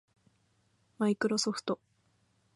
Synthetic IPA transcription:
maikɯ̟ɾo̞so̞ɸɯ̟̥t̪o̞

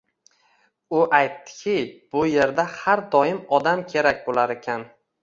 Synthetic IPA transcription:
ʊʔajt̪ːɪ̥kʲʰɪb̥ʊje̞ɾd̪ahaɾd̪ɒjɪmɒd̪amkʲʰe̞ɾakʲbolaɾe̞kʲʰan

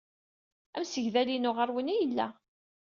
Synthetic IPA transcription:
æmsəʝðælinʊʁəɾwənijəlːæ̰

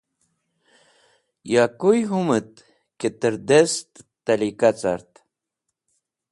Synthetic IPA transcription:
jakujɦumət̪̚ | ket̪əɾd̪est̪t̪ːalikat͡saɾt̪

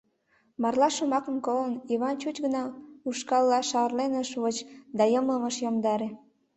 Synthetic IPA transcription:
mɑrlɑʃomɑkənkoləniβɑnt͡ɕut͡ɕɡənɑuʃkɑlːɑʃɑrlenəʃβot͡ɕd̪ɑjəmləməʃjomd̪ɑɾe

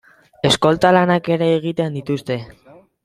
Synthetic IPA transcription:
e̞sko̞lt̪alanake̞ɾe̞ːɣ̞it̪eand̪it̪ust̪e̞

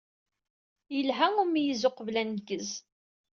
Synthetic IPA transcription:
jəlɦæumijizʊqəvlænɡəz

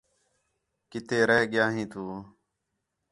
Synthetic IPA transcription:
kɪt̪eːɾəɦɠɪjaːɦĩːt̪uː

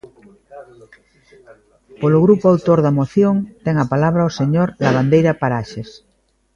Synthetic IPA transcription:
poloɣɾupoawt̪oɾðamoθjoŋt̪ɛŋapalaβ̞ɾaoseɲoɾlaβ̞and̪ejɾapaɾaʃes

